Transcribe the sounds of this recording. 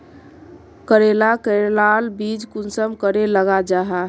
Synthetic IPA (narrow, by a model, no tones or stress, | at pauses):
kəɾelakəɾelalbid͡ʒkunsəmkəɾeləɡad͡ʒaɦa